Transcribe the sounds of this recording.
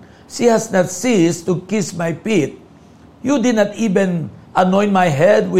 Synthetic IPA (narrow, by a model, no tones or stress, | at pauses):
ʃihasnat̪sist̪ukɪsmajpit̪̚ | jud̪ɪd̪nat̪ivɛ̃nʔanɔ̃j̃nmajɦɛd̪̚wɪ